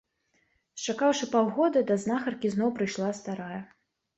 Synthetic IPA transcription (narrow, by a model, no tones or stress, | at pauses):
st͡ʂakawʂɨpawɣɔd̪ɐd̪ɐznaxɐrkʲiznɔwpɾɨjʂlˠast̪aɾajɐ